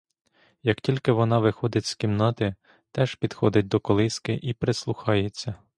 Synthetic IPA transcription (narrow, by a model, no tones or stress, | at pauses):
jɐktʲilʲkɪʋɔnɑʋɪxɔd̪ɪtʲskʲimnɑt̪ɪ | t̪ɛʒ̥pʲid̪̥xɔd̪ɪt̚ʲd̪ɔkɔlˠɪskɪʔipɾeslˠʊxɑjet͡sʲːɐ